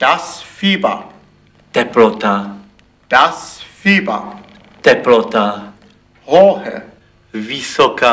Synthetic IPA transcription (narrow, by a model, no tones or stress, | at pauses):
d̥asfiba̰ | d̪̥ɛplɔt̪a | d̥asfiːba̰ | d̪̥ɛplɔt̪a | hɔːhɛ̰ | visɔka